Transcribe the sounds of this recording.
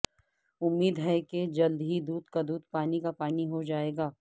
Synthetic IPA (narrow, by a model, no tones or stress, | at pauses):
ʊmːiːd̪ɦɛked͡ʒɐld̪ɦid̪uːd̪kad̪uːd̪̚paːnikapaːniɦod͡ʒaːeːɡaː